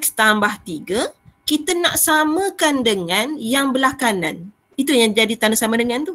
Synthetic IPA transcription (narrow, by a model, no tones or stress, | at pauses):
st̪ambaht̪iɡəkit̪ənaʔsamə̃kandəŋãnjaŋbəlakanãn | it̪ujaŋd͡ʒadit̪anasamãdəŋant̪u